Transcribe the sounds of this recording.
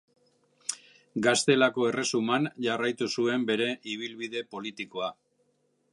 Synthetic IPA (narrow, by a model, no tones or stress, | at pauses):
ɡast̪e̞lako̞e̞re̞sumanʝarajt̪usue̞mbe̞ɾe̞ʔiβ̞ilβiðe̞po̞lit̪iko̞a